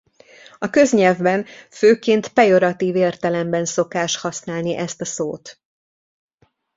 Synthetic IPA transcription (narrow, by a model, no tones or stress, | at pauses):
ɒkø̞zɲɛlvbɛnføːkeːnt̪pɛjo̞ɾɒt̪iːveːrt̪ɛlɛmbɛnso̞kaːʃt̪hɒsnaːlniʔɛst̪ɒsoːt̪